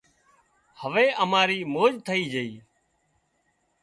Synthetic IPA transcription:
həʋeːʔəmaːɾiːmoːd͡ʒt̪ʰəiːd͡ʒəiː

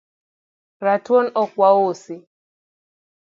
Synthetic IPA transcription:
ɾatonɔkwawosi

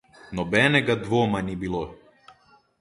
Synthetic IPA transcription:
nɔbɛnɛɡad̪vɔmanibilˠɔ

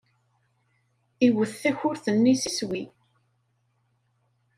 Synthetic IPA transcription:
iwəθːæçʊɾθənːisiswi

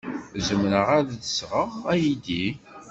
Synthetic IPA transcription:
zəmɾəʁæððəsʁəʁæjid̪i

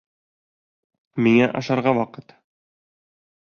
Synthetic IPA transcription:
miŋæʔɑ̰ʃɑɾʁɑwɑqɤt̪

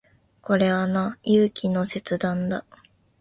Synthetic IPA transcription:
ko̞ɾe̞βanajɯːkʲino̞se̞t͡sɨd̪ãnd̪a

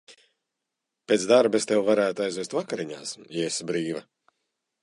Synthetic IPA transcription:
peːt̪sd̪aɾbest̪ewvaɾæːt̪ajzvʲɛst̪vakaɾiɲaːsjɛsbɾiːvɐ

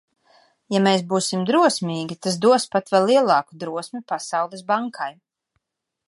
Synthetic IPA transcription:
jameːsbuːsimd̪ɾuɔsmʲiːɡʲit̪as̬d̪uɔspat̪vɛlːiɛlˠɑːkud̪ɾuɔsmipasawlˠɛsbaŋkʰaj

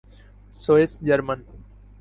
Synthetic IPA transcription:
soːesd͡ʑəɾmən

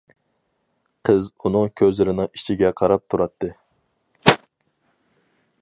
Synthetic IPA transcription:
qʰəzunɨŋkʲʰøzlɪɾɪnɨŋi̥t͡ʃʰiɡʲɛqʰɑɾɑp̚t̪ʰuɾɑt̪ʰːɨ

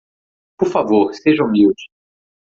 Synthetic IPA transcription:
poɾfavoɾseʒɐ̃ũmiwd͡ʒɪ̥

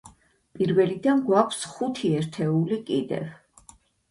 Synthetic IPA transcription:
pʼiɾvɛlid̪anɡwakʷʰsχut̪ʰiɛɾt̪ʰɛulikʼid̪ɛ̰v

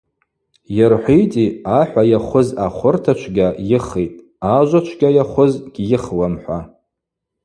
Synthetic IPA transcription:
jarħʷijtʼiaħᶣʷajaχʷʊzaχʷʊrtʰat͡ʃʷʰɡʲajɪχejtʼ | aʒʷat͡ʃʷʰɡʲajaχʷʊzɡʲʼjɪχwamħʷa

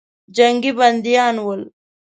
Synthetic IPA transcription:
d͡ʒɐŋɡibɐnd̪ijaːnwol

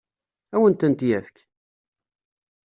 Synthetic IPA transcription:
æwənt̪ənt̪jæθək

